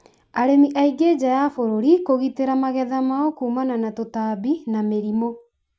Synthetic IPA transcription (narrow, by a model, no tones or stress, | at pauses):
aɾemiʔaiɡed͡ʑajafoɾoɾikoɣiteɾamaɣɛðamaɔkuːmananatotaːβinameɾimo